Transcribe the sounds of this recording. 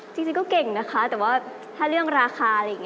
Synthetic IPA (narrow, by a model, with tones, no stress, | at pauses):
t͡ɕi˧ŋt͡ɕi˧ŋkɔː˥˩ke˨˩ŋna˦˥kʰa˦˥t̪ɛː˨˩waː˥˩ | t̪ʰaː˥˩ɾɯ˥˩əŋɾaː˧xʰaː˧ɾa˧jŋ˦˧